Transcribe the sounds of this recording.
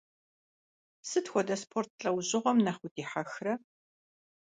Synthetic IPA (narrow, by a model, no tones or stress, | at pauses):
sɨtxʷɔdɐspʰort̚ʰɬʼɐwʑʼɪʁʷɔmnɐχʷʊdiːħaxrɐ